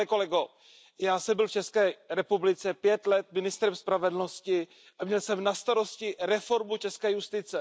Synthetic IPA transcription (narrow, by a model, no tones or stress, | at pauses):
ɛkolɛɡo | jaːsɛmbɪlft͡ʃɛskɛːɾɛpublɪt͡sɛpjɛt̪lɛt̪̚mɪnɪst̪ɾɛmspɾavɛdl̩no̞scɪ | ʔamɲɛlsɛmnast̪aɾo̞scɪɾɛfo̞ɾmut͡ʃɛskɛːjust̪ɪt͡sɛ